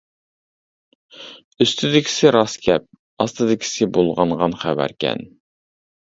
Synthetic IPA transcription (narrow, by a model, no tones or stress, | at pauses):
yst̪ʰɪd̪ɪkʲʰi̥sɪɾɑskʲɛp̚ | ɑst̪ɨd̪ɪkʲʰi̥sɪbolˠʁɑɴʁɑnχæwæ̰ɾkʲʰɛ̰n